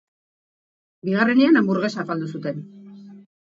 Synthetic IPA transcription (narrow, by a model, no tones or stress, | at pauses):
biɣ̞are̞neanambuɾɣe̞safald̪usut̪e̞n